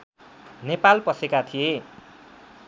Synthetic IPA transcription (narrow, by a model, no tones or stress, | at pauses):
nepalpʌsekat̪ʰije